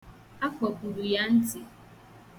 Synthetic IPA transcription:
a˦kʷɔ˨ku˨ɾu˨ja˦n̩˦tɪ˨

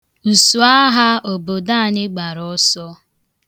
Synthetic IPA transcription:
u˨su˨a˦ɦa˦o˨bo˨da˦a˨ɲɪ˦ɡ͡ba˨ɾɔ˦sɔ˦

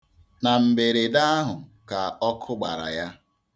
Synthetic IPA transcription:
na˨m̩˨be˨ɾe˨da˦a˦ɦʊ˨ka˨ɔ˦kʰʊ˦ɡ͡ba̰˨ɾa̰˨ja˦

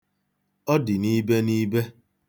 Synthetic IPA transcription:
ɔ˦dɪ˨ni˦be˦ni˦be˦

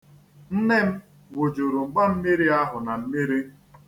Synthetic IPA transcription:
n̩˦ne˦m̩˦ | wo˨d͡ʒo˨ɾo˨ŋ͡m̩˨ɡ͡ba˦m̩˦mi˦ɾi˦a˦ɦʊ˨na˨m̩˦mi˦ɾi˦

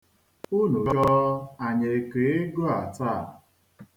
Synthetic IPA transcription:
u˦nu˨ɔ˦a˨ɲe˨ke˨e˦ɡo˦a˨ta˦˨

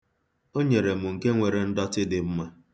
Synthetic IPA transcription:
o˦ɲe˨ɾe˨mʊ˨ŋ̩˨ke˦ŋʷe˨ɾe˨n̩˦dɔ˦tɪ˦dɪ˨m̩˦ma˦

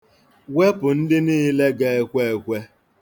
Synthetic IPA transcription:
we˦pʊ˨n̩˦dɪ˦niː˦le˦ɡe˦˨e˦kʷe˦e˨kʷe˦

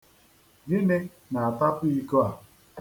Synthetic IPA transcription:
ɡɪ˦ne˦ | na˨a˨ta˦pi˦i˦ko˦a˨

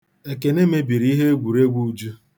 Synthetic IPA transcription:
e˨ke˨ne˦me˦bi˨ɾi˨˦ɦe˦ɡʷu˨ɾe˦ɡʷu˦d͡ʒu˦

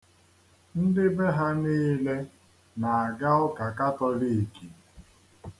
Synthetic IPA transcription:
n̩˦dɪ˦be˦ɦa˦niː˦le˦ | na˨a˨ɡa˦ʊ˦ka˨ka˦tɔ˦li˦˨i˨ki˨

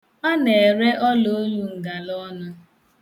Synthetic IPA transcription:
a˦ne˨e˨ɾe˦ʔɔ˦lo˦lu˦ŋ̩˨ɡa˨lɔ˦nʊ˦

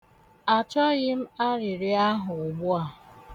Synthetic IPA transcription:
a˨t͡ʃɔ˦ɣɪ˦m̩˦a˦ɾɪ˨ɾɪ˦a˦ɦʊ˨ɡ͡bʊ˦a˨

